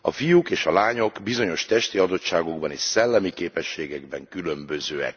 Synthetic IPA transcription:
ɒ̰fijukeːʃɒlaːɲo̞ɡbizo̞ɲo̞ʃt̪ɛʃt̪iɒd̪o̞t̪ʃaːɡo̞ɡbɒniːʃsɛlːɛmikeːpɛʃːeːɡɛɡbɛŋkylø̞mbø̞zøːɛ̰k̚

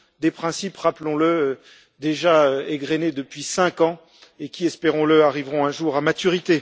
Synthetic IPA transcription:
d̪epχɛ̃sipʁaplɔ̃lə | d̪eʒaøeɡʁened̪əpɥisɛ̃kɑ̃ | ekʲiɛspeʁɔ̃ləaʁivʁɔ̃ɛ̃ʒuʁamat̪yʁit̪e

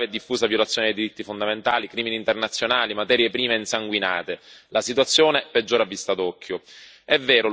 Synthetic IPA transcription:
ɛd̪ːifːuːsavjolat̪sːjoːned̪ejd̪iɾit̪ːifond̪ament̪aːlikɾiːminiːnt̪ernat̪sːjonaːlimat̪ɛːɾjepɾiːmeinsaŋɡwina̰ːt̪elasit̪̬wat̪sːjoːneped͡ʒːoːɾavːist̪ad̪ɔkʰːjo | ɛvːɛːɾʊ

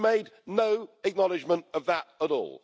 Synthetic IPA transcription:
meɪdⁿnəʊɨk̚nɒlˠɪd͡ʒmə̃ntəvðətəɾɔ̰ːlˠ

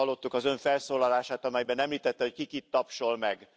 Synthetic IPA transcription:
ɒlːo̞t̪ːukɒzø̞ɱfɛlsoːlɒlaːʃaːt̪ɒmɛjbɛnɛmliːt̪ɛt̪ːɛho̞ckikit̪ːɒpʃo̞lmɛɡ

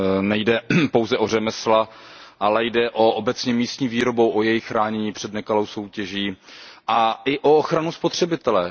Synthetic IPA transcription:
nɛjdɛpo̞wzɛʔo̞rɛmɛsla | ʔalɛjdɛʔoʔobɛt͡sɲɛmiːst̪ɲiːviːɾo̞bowʔojɛjɪxxɾaːɲɛɲiːpr̝̥ɛdnɛkalowso̞wcɛʒiːʔaʔɪʔooxɾanuspot̪r̝̥ɛbɪt̪ɛlɛ

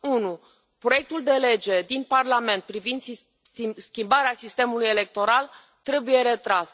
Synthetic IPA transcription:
unu | pɾo̞je̞k̚t̪uld̪e̞le̞d͡ʒe̞d̪inparlame̞nt̪̚pɾivind̪ | skʲimbaɾeasist̪e̞mulujele̞k̚t̪o̞ɾal | t̪ɾe̞buje̞ɾe̞t̪ɾas

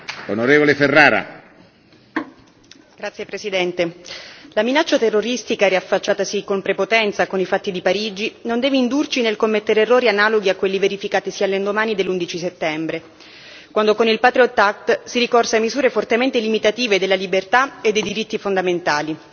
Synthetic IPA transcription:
onoɾeːvoleferːaːɾa̰ | ɡ̥ɾat̪sjepɾesid̪ɛnt̪elaminat͡ʃːat̪erːoɾist̪ikaɾiafːat͡ʃːaːt̪asikompɾepot̪ɛnt̪sakonifat̪ːid̪ipaɾiːd͡ʒinond̪ɛːveind̪urt͡ʃinelkomːet̪ːeɾeerːoːɾianaːloɡiakːwelːiveɾifikaːt̪isiːalːend̪omaːnid̪elːund̪it͡ʃiset̪ːɛmbɾe | kwand̪okonilpaːt̪ɾiot̪ak̚t̪siɾikɔrsamizuːɾefort̪ement̪elimit̪at̪iːved̪elːalibert̪aed̪ːejd̪iɾit̪ːifond̪ament̪aːli

